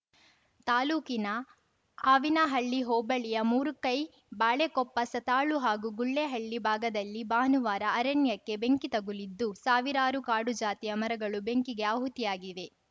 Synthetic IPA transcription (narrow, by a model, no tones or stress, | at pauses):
t̪aːluːkinɐ | aːʋinɐɦɐɭːiɦɔːbɐɭijɐmuːɾukɐj | baːɭekɔpːɐsɐt̪aːɭuɦaːɡuɡuɭːeɦɐɭːibʱaːɡɐd̪ɐlːibaːnuʋaːɾɐːɾɐnjɐkːe̞be̞ŋkit̪ɐɡulid̪ːusaːʋiɾaːɾukaːɽud͡ʒaːt̪ijɐmɐɾɐɡɐɭube̞ŋkiɡe̞aːɦut̪ijaːɡiʋe̞